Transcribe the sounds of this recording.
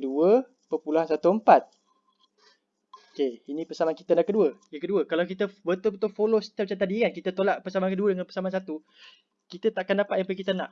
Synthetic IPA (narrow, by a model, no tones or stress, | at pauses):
duə | pəpuluɦansat̪uəmpat̪̚ | okeinĩpəsamanki̥t̪ənaʔkəduəjakəduəkalawkit̪əbət̪ʊlbət̪ʊlfolost̪at͡ʃat̪adiŋankit̪ət̪olaʔpəsamankəduədəŋanpəsamans̬at̪u | kit̪ət̪aʔakandapat̪̚jaŋpajkit̪əna̰ʔ